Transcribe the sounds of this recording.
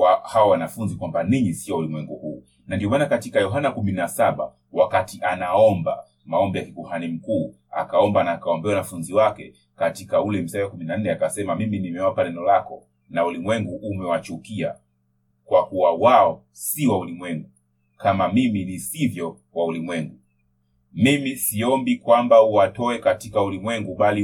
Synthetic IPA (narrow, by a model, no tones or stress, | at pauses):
ahawɔwanafunzikwambaniɲisiɔaulimwɛŋɡuhuː | nandiɔmaːnakatikajɔɦanakuminasaɓa̰ | wakatiʔanaɔmba̰ | maɔmbɛjakikuhanim̩kuː | a̰kaɔmbanaːkaɔmbɛaunafunziwakɛ | katikaulɛm̩sawakuminanːɛakasɛmamiminimɛwapanɛnɔlakɔ | naulimwɛŋɡuʔːmɛwat͡ʃukia | kwakuwawaɔ | siwaulimwɛŋɡu | kamamiminisivjɔkwaulimwɛŋɡu | mimisiɔmbikwambauwatɔɛkatikaulimwɛŋɡuɓali